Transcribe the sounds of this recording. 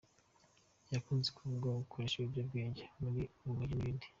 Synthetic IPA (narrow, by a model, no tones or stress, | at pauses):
jakuːnzekuvuɡwaɡukʰoɾeʃeβibjab̚ɡeːɲɟemuɾiuumuɲiniːndi̥